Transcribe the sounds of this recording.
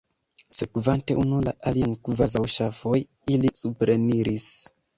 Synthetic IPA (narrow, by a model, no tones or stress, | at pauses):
sekuvante̞ʔunula̰ʔaliankuvazawʃafoj | ilisupɾeniɾis